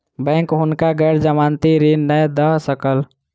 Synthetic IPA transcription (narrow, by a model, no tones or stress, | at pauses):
bə̃ŋkɦunkaɡəɾd͡ʒəmant̪iɾinːəjd̪əɦsəkəl